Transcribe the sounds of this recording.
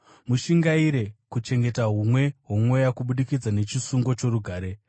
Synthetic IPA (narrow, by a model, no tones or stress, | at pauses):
muʃiŋɡaiɾe̞kut͡ʃe̞ŋɡe̞taɦumwe̞ɦumwe̞jakuɓuɗikid͡zane̞t͡ʃisuŋɡo̞t͡ʃo̞ɾuɡʱaːɾe̞